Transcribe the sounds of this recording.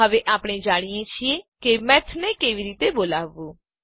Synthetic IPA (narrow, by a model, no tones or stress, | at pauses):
əʋeʔaːpɽ̃ẽd͡ʒaːɽ̃ijẽt͡ʃʰiẽkemɛ̃ːt̪ʰnẽkeːʋiɾiːt̪eboːlaːʋuː